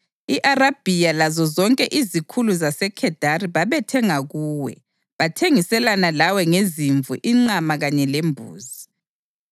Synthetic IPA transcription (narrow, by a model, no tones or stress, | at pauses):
iʔarab̥ʱijalazɔzɔŋkʼɛʔizikʰuluzasɛkʰɛd̥ʱariβaβɛtʰɛŋaɣuːwɛ̰ | βatʰeŋisɛlanalawɛŋeziɱvṵʔiŋ͡ǃamaɣaɲɛlembʱṵːzi